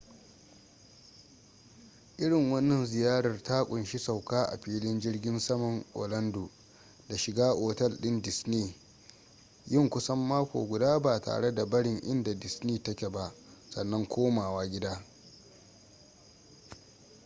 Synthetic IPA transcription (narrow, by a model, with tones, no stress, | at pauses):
ʔɪ˦ɽɪ˨ŋwɐ˦nːɐ˨nzɪ˨jaː˦ɽɐ˨rta˦kʷʼʊ˨nʃi˦sa˨wkaː˦ʔa̰˨ɸiː˦lɪ˦nd͡ʒɪ˦rɡʲɪ˦nsɐ˦mɐ˨ŋʔo̰ː˨lɐ˦ndoː˨ | da˨ʃɪ˨ɡaː˦ʔoː˨tɛ˦lɗɪ˦ndɪ˨sniː˦˨ | jɪ˦˨ŋkʷʊ˦sɐ˦mːaː˦kʷo̰ː˨ɡʷʊ˨daː˦ba˨ta̰ː˨ɽe˦da˨bɐ˦ɽɪ˨ŋʔɪ̰˦nda˨dɪ˨sniː˦tɐ˦kʲe˨ba˦ʔ | sɐ˨nːɐ˦ŋkʷoː˦maː˨waː˦ɡʲɪ˦daː˦